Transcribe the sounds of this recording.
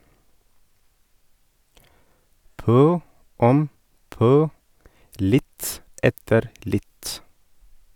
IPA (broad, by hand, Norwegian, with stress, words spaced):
ˈpœ ˈɔm ˈpœ ˈlɪt ˈɛtəɾ ˈlɪt